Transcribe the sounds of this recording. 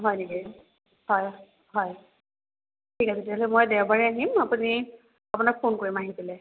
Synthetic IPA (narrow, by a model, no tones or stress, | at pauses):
ɦɔjneki | hɔj | ɦɔj | tʰikasetiaɦɔlɛmojdɛwbaɹiaɦimapuni | apunak̚pʰonkoɹimaɦitilɛ